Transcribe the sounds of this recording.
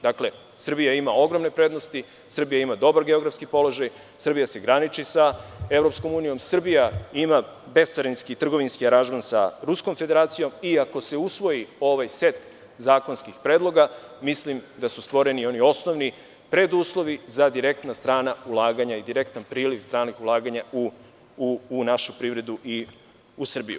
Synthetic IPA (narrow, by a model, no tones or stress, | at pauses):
d̪akle̞ | sr̩bijaimao̞ɡɾomne̞pɾe̞ːd̪no̞st̪i | sr̩bijaimad̪o̞baɾɡe̞o̞ɡɾafskipo̞lo̞ʒaj | sr̩bijase̞ɡɾanit͡ʃisae̞vɾo̞psko̞muːnijo̞msr̩bijaima | be̞st̪saɾinskit̪r̩ɡo̞ʋinskiaɾanʒmansa̰ɾusko̞mfe̞d̪e̞ɾaːt̪sijo̞miako̞se̞usʋo̞jio̞ʋajse̞t̪ | zaːko̞nskixpɾeːd̪lˠo̞ɡamislimd̪asust̪ʋo̞ɾe̞nio̞nio̞sno̞ʋni | pɾe̞d̪uːslˠo̞ʋizad̪iɾe̞k̚t̪nast̪ɾaːnaulˠaːɡaɲaid̪iɾe̞kt̪anpɾiːliʋst̪ɾaːnixulˠaːɡaɲauː | naʃupɾiʋɾe̞d̪uʔi | usr̩bḭjṵ